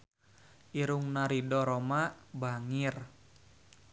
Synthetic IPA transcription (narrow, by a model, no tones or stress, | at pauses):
ʔiɾuŋnaɾidɔɾɔmabaŋir